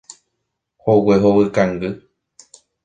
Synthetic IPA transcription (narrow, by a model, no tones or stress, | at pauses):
howeɦoβɨkãŋɡɨ